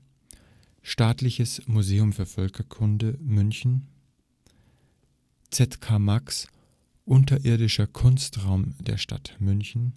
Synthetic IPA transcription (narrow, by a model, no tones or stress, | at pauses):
ʃtaːtlɪçəsmuzeːʊmfyːɐfœlkʰɐkʰʊndəmʏnçn̩ | t͡sɛtkʰaːmaks | ʔʊntɐʔɪɐdɪʃɐkʰʊnstʁaʊmd̥ḛːɐʃta̰tmʏnçn̩